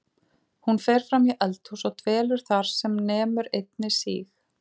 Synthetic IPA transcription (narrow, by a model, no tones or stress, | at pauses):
hunferθɾamiʔɛlt̪husɔɣt̪ʰvɛːlʏɾ̥θaɾ̥sɛmnɛːmʏɾejt̪̚nɪsḭːx